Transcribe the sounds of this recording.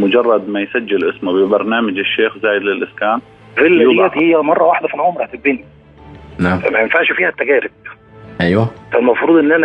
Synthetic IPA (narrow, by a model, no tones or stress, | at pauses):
mʊd͡ʒɑrˤːɑd̪mæjsæd͡ʒːɪlʔɪsmʊbɪbɑɾˤnæːmɪd͡ʒɪʃːeːxzaːjɪd̪lɪlʔɪskæːn | filːæt̪hɪjːæmɑrˤːɑwaħd̪æfilʕoːmɾˤɑħt̪ɪb̚bini | nafæ̰mæjɪnfaʕʃfiːhæt̪ːæɡæːɾɪb̚ | ʔæjwæfælmɑfɾuːd̪ˤʔenːʔænæ